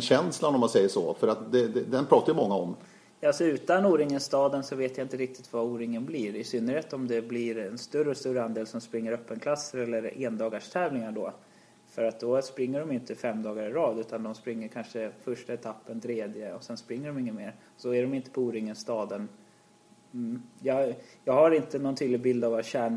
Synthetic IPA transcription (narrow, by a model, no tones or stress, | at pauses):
ɛnɕɛnslanɔmːansɛjːəʂɔ̰fœɾat̪d̪ɛd̪ɛd̪ɛnpʰɾɑːt̪aɾjmɔŋːaɔm | jɑalsɔʉ̟ːt̪anuːɾɪŋənst̪ɑːd̪ənsɔveːt̪jaɪnt̪əɾɪk̚t̪ɪt̪vauːɾɪŋənbliːɾɪsʏnːəɾhɛt̪ɔmd̪ɛblɪɾɛnst̪ɵɾəɔst̪uːɾəand̪eːlsɔmspɾɪŋːəɾœpːənkʰlasːəɾɛlːəɾeːnd̪ɑːɡaʂt̪ʰɛːvlɪŋaɖɔ | fœɾat̪̚d̪ɔspɾɪŋːəɖɔmjɪnt̪əfɛmːd̪ɑːɡaɾɪɾɑːd̪ʉ̟ːt̪and̪ɔmspɾɪŋːəɾkʰanʂəfœʂʈaɛt̪ʰapːənt̪ʰɾeːd̪jəɔsɛnspɾɪŋːəɖɔmɪŋːənmeːɾɔsɔæɖɔmɪnt̪ə̥pʰɔuːɾɪŋːənst̪ɑːd̪ən | jɑjɑːɡhaɾɪnt̪ənɔnt̪ʰyːd̪lɪɡbɪld̪avaɕæːɳ